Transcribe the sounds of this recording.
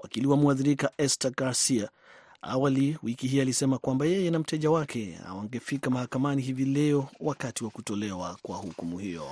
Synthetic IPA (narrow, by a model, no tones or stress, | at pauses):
wʔakiliwamuaðiɾikaʔɛstaɡaɾsia | a̰waliwikihialisɛmakwambajɛjɛnam̩tɛʄawakʰɛa̰waŋɡɛfikamahakamaniɦivilɛɔwakatiwakutɔlɛwakwahukumuhijɔ̰